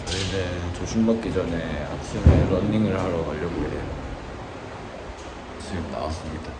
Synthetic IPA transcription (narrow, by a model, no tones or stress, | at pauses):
ʌinet͡ɕoɕʰinbak̚k͈id͡ʑʌnea̰k̚s͈ʰeneɾʌnːiŋɯɭhaɾʌaʎːʌɡoḛjo | s͈ʰɯmna̰was͈ɯmɲid̥a